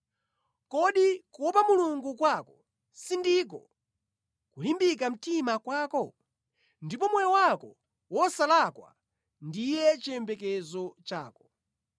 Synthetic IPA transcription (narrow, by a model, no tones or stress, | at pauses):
kɔɗikɔpamuluŋɡukwakɔ | sindik̬ɔ | kulimbik̬am̩timakwaːkɔ | ndipɔmwɛjɔwakɔ | wɔsalakwa̰ | ndijɛt͡ʃɛmbɛkɛzɔt͡ʃa̰ːkɔ̥